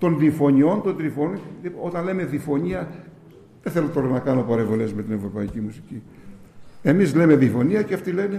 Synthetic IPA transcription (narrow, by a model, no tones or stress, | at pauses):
t̪o̞nðifo̞ɲio̞nt̪o̞nd̪ðɾifoonio̞t̪ɐnle̞me̞ðifo̞ɲiɐ | ðeθe̞lo̞t̪o̞ɾɐnɐkɐno̞pɐɾevo̞le̞sme̞t̪ine̞vɾo̞pɐicimusici | e̞mizle̞me̞ðifo̞niɐceɐft̪ile̞ne̞